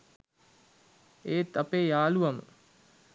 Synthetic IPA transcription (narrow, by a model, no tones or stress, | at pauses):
eːt̪apeːjaːluʋamə̰